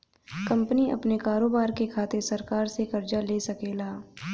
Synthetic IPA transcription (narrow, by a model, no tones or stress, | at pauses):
kɐ̃mpəniɐ̰pnekaːɾoːbaːɾkekʰaːt̪eɾsɐɾkaːɾsekɐɾd͡ʒaleːsɐkeːlaː